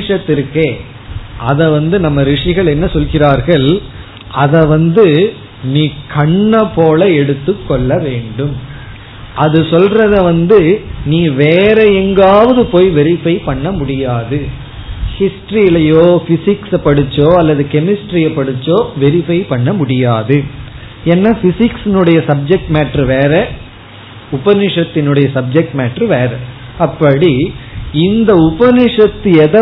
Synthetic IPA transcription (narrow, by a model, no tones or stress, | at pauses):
ʂɐt̪ːɪɾkːeː | ʔɐ̰ðɐʋɐnd̪ɯnɐmːɐɾɪʂɪɣɐɭɛnːɐsɔlɣɪraːɾɣɐɭ | ɐðɐʋɐnd̪ɯ | niːkɐɳːɐpːoːlɐɛɽɯt̪ːɯkːɔɭːɐʋeːɳɖɯm | ʔɐðɯsɔlrɐðɐʋɐnd̪ɯniːʋeːɾɐɛŋɡaːʋɐðɯpoːjʋɛɾɪfɐɪpɐɳːɐmʊɽɪjaːðɯ | hɪsʈɾiɪlɐjoːfɪsɪksɐpɐɽɯt͡ʃːoːɐlːɐðɯkɛmɪsʈɾijɐpɐɽɯt͡ʃːoːʋɛɾɪfɐɪpɐɳːɐmʊɽɪjaːðɯ | ɛnːaːfɪsɪksɪnɯɽɐjɐsɐb̚d͡ʒɛk̚ʈmeːʈɾɯʋeːɾɛ | ʊbɐnɪʂɐt̪ːɪnɯɽɐjɐsɐb̚d͡ʒɛk̚ʈmeːʈɾɯʋeːɾɐ | ɐpːɐɽiɪnd̪ɐʊbɐnɪʂɐt̪ːɯɛðɐ